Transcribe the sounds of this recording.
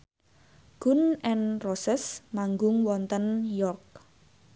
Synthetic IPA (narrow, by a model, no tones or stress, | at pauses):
ɡ̥ʊ̤nʔɛnrosɪsmaŋɡʊŋwɔnt̪ənjɔrk̚